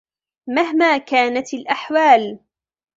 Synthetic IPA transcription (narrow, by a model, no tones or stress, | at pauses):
maɦmaːkaːnat̪alʔaħwaːl